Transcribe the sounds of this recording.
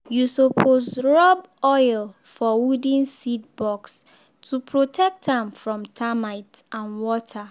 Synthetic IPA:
jusopʰozɹɔb | ɔɪl | fɔwudĩnsidbɔks | tʰupʰɹotʰɛk̚tãmfɹɔ̃mtʰamaɪtãnwɔtʰa

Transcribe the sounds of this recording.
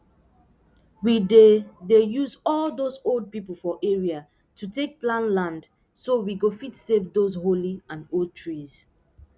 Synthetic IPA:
widedejuzɔldozold̚pipəl̩ˠfɔʔeɹia | tʰutek̚plãnlãnd | sowiɡofitsevdozholiãnold̚tʰɹiz̥

